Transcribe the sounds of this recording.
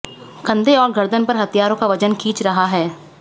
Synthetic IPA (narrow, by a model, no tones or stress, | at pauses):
ɡɐ̃nd̪ʱeɔːɾɡɐɾd̪ənpɐɾɦɐt̪ijaːɾõkaʋɐd͡ʒənkʰiːt͡ʃɾɐɦaɦɛː